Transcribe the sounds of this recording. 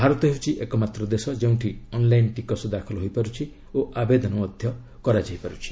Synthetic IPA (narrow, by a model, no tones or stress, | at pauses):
bʱaɾɔt̪ɔɦeut͡ʃʰiʔekɔmat̪ɾɔd̪esɔd͡ʒew̃ʈʰiɔnlajnʈikɔsɔd̪akʰɔlɔɦojpaɾut͡ʃʰi | oʔabed̪ɔnɔmɔd̪ʱjɔ | kɔɾad͡ʒajpaɾut͡ʃʰi̥